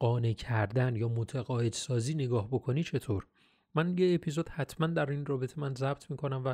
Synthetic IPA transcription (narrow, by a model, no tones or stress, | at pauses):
ɢɒːnecʰæɾd̪ænjɒːmot̪ʰeɣɒːje̞d̪sɒːziːneɡɒːhbo̞kʰo̞niːt͡ʃʰe̞t̪ʰoɾ | mænjeːpʰizod̪̥hæt̪ʰmænd̪æɾinrɒːbe̞t̪ʰemænzæb̥̚t̪ʰmiːkʰo̞næmvæ